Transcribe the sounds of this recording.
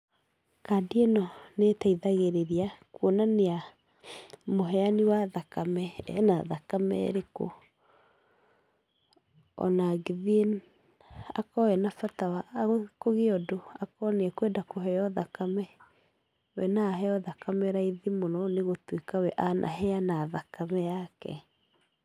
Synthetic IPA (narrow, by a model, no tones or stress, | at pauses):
kadienɔnetaiðaɣeɾeɾiakwonanea | moɦɛaniwaðakamɛɛ̰na̰ðakamɛ̰ɾeko̰ | ɔ̰naɡeðie | a̰kɔɛnafatawaʔɣkoɣeɔdoakɔneɛkwɛdakoɦɛɔðakamɛ | wɛnaɦɛɔðakamɛɾaiðimonɔneɣotwekawɛʔanʔa̰ɦɛanaðakamɛjakɛ̰